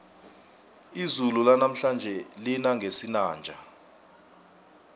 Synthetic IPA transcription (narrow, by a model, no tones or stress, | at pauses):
izululanam̩ɬand͡ʒʱɛlinaŋɡʱesinaːnd͡ʒʱa